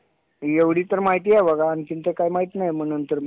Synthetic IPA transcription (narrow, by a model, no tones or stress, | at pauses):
jeʋɽ̤iːt̪əɾmaɦit̪̬iːajbəɡaːnit̪int̪ekajmaɦit̪najm̤əɽ̃unt̪əɾ